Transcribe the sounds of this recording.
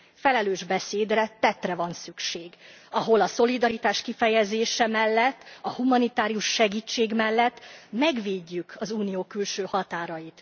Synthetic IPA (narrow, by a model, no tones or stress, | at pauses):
fɛlɛløːʒbɛseːd̪rɛt̪ɛt̪rɛvɒnsykʃeːɡ | ɒɦo̞lɒso̞lid̪ɒɾit̪aːʃkifɛjɛzeːʃɛmɛlːɛt̪ːɒhumɒnit̪aːɾijuʃːɛɡiːt͡ʃːeːɡmɛlːɛt̪ːmɛɡʋeːɟːykʰɒzuːnijoːkylʃøːhɒt̪aːɾɒjit̪